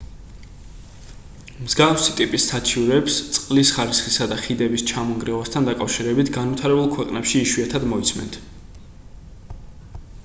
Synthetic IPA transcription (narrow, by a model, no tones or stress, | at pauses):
mzɡafsit̪ʼipʼisːat͡ʃʰiuɾɛpst̪sʼqʼlisχaɾisχisad̪aχid̪ɛbist͡ʃʰamɔŋɡɾiwast̪ʰand̪akʼafʃiɾɛbit̪ʰɡanvit̪ʰaɾɛbulˠkʰwɛqʼnɛpʃiːʃwiat̪ʰad̪mɔit̪sʰmɛ̰nt̪ʰ